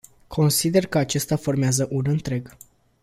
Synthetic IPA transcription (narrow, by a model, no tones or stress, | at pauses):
kʰo̞nsid̪e̞rkəat͡ʃe̞st̪afo̞rmeazəʔunɨnt̪ɾe̞ɡ